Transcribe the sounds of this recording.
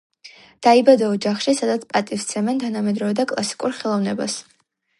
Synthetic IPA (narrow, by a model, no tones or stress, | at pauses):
d̪̥aibad̪aɔd͡ʒaχʃisad̪at̪sʰpʼat̪ʼift̪sʰɛmɛnt̪ʰanamɛd̪ɾɔvɛd̪akʼlˠa̰si̥kʼuɾχɛlˠɔvnɛbas